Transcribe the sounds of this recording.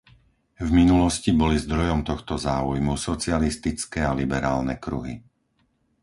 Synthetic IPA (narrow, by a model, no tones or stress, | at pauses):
vminulɔscibɔlizd̪ɾɔjɔmt̪ɔxt̪ɔzaːujmusɔt͡sɪalist̪it͡skɛalibɛɾa̰ːlnɛ̰kɾuɦḭ